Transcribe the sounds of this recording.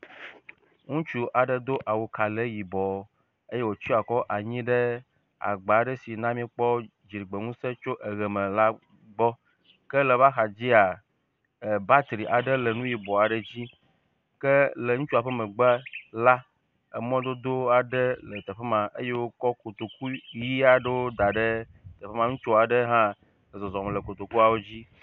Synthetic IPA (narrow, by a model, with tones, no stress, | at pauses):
ŋũ˦t͡ʃu˦ʔa˨ɖə˦d̪o˦ʔa˨wo˨ka˨le˦ji˨bɔ˨˦ | e˦je˦wo˨t͡ʃi˦a˨kɔ˦ʔa˨ɲĩ˦ɖə˦ | a̰˨ɡ͡ba˨ɖə˦si˨nã˦mĩ˦k͡pɔ˦ | d͡ʑi˨ɾi˨ɡ͡be˨ŋũ˦se˦t͡ʃo˦ʔə˨ɣɛ˨mə̃˨la˦ | ɡ͡bɔ˦ | kə˦lə˨βa˦xa˨d͡ʑi˦a˨ | e˨ba˦t̪ɾi˨ʔa˨ɖə˦lə˨nũ˦ji˨bɔ˨a˨ɖə˦d͡ʑi˦ | kə˦lə˨˦ŋũ˦t͡ʃo˦a˨ɸə˦mə̃˨ɡ͡ba˦la˦ | e˨mɔ̃˦d̪o˦d̪o˦a˨ɖə˦lə˨t̪ə˨ɸɛ˦mã˨ʔe˦je˦wo˦kɔ˦ko˨t̪o˨ku˦ji˦a˨ɖə˦wo˦d̪a˨ɖə˦ | t̪ə˨ɸe˦mã˨ŋũ˦t͡ʃo˦a˨ɖə˦ɦã˦˨ | zɔ˨zɔ˨m˨lə˨ko˨t̪o˨ku˦a˨wo˦d͡ʑi˦